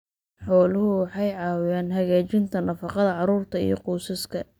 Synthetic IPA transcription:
ħɔːlʊɦʊwɑħɑjʕɑːwɪjaːnɦɐɣaːt͡ʃɪnt̪ʰɐnɐfɑqɑðɐʕɑɾuːrt̪ʰɐḭjɞ̰quːsɐskʰɐ

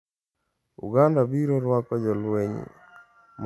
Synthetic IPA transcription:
ṵɡandabiɾɔɾwakɔd͡ʒɔlweɲḭ | m

